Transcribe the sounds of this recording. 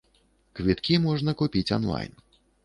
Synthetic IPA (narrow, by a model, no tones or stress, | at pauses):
kvʲit̪kʲimɔʐnɐkupʲit͡sʲɔ̰nlˠa̰jn